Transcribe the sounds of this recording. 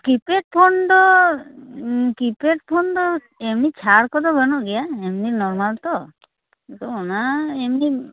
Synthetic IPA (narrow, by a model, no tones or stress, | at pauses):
kipeʈ̚pʰɔnd̪ɔ | kipeʈpʰɔnd̪ɔ | emnit͡ʃʰaɾkɔd̪ɔbɔnɔʔɡɛjaemninɔɾmalt̪ɔ | t̪ɔɔnaemni